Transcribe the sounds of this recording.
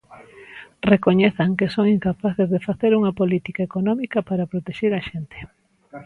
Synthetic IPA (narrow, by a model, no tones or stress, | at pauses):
rekoɲeθaŋkesoŋiŋkapaθezðefaθeɾuŋɐpolit̪ikaekonɔmikɐpaɾapɾot̪eʃeɾaʃent̪e̥